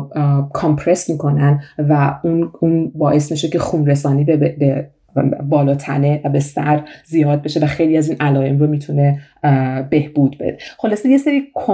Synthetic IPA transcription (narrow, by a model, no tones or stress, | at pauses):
kʰɒmpʰɾe̞smiːkʰo̞nænvæununbɒːʔe̞smiʃocʰe̞xuːnɾes̬ɒːniːbebe | bɒːlɒːt̪ʰænevæbe̞sæɾzijɒːd̪̚be̞ʃe̞væxe̞jliæziːnʔælɒːe̞mromiːt̪ʰune̞ | be̞hb̥uːd̪be̞̰d̪eχo̞lɒːsejeseɾiːkʰo